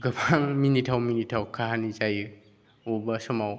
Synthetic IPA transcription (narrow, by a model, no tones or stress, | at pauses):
ɡəpʰaŋminitʰawminitʰawkʰaɦanizajɯ | ubasɔmaw